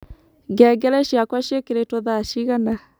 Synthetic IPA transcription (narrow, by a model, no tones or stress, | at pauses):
ɡɛːɡɛɾɛʃjakwaʃekeɾetoðaʃiɣana